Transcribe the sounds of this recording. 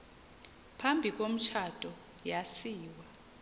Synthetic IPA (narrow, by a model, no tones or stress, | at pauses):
pʰambʱik̬ʼom̩t͡ʃʰatʼɔ | jasiːwa